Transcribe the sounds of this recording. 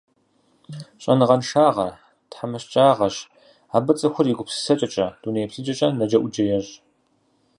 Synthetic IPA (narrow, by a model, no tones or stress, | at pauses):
ɕʼɐnɨʁɐnʂaːʁɐr | tħamɐɕt͡ʃʼaːʁɐɕ | aːbɐt͡sʼɐxʷʊriɡʷʊpsɨ̥sɐt͡ʃʼɐt͡ʃʼɐd̥uːneːjpɬɨd͡ʒɐt͡ʃʼɐnɐd͡ʒɐʔʷʊd͡ʒɐjɛʑ